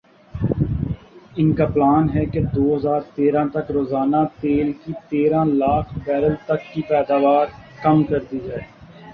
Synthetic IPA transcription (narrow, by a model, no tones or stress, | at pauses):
ɪnkaplaːnɦɛked̪oːɦɐzaːɾt̪eːɾãːt̪ɐkɾoːzaːnat̪eːlkit̪eːɾãlaːkʰbɛːɾəlt̪ɐkːipɛːd̪aːʋaːɾkɐmkɐɾd̪id͡ʒaːeː